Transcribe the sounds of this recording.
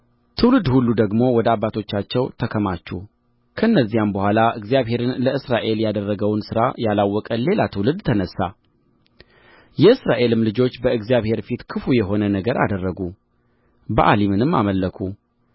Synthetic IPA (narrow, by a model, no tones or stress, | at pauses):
t̪ʰɨwlɨd̪hulːud̪əɡmo̞wɔd̪əabːat̪ʰo̞t͡ʃːat͡ʃːɛwt̪ʰəkʰəmat͡ʃːu | kʰəɨnːəzːijambəhʷalaʔɨɡzijaβɦe̞ɾɨnləɨsɾaʔe̞ljad̪ərːəɡəwnsɨɾa̰jalawːɔkʼəle̞lat̪ʰɨwlɨd̪t̪ʰənəsːa | jɛɨsɾaʔe̞lɨmlɨd͡ʒo̞t͡ʃːbəɨɡzijaβhe̞ɾfit̪kʰɨfujɛɦo̞nənəɡəɾʔa̰d̪ərːəɡu | bəʔalimɨnɨmːa̰məlːəkʰu